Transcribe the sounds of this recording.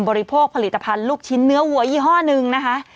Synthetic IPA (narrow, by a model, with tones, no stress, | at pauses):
mbɔː˧ɾi˧pʰoː˥˩k̚pʰa˧li˨˩t̪ːa˧pʰa˧nluː˥˩k̚t͡ɕʰi˦˥nːɯ˦˥ɐwu˨˩˦ɐʔiː˧˩ɦɔː˥˩nɯ˧ŋna˦˥kʰa˦˥ʔ